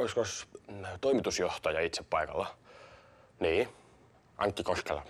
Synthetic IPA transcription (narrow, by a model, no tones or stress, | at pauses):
oiskost̪oimit̪usjoht̪ɑjɑit̪seppɑikɑ̰lːɑ | niː | ʔɑ̰ŋkːikoskelɑ̰